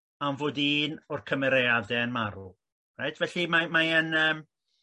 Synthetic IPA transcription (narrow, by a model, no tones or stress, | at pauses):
amvoːdiːnɔrkʰəmɛɾeadɛənmaɾṵlˠ | rajdvɛɬimamajənəːm